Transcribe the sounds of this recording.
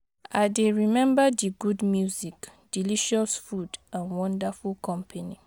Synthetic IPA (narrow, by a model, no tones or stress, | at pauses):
adeɹimɛ̃mbadiɡudmjuzikd̥iliʃɔsfudãnwɔ̃ndafulkʰɔ̃mpʰani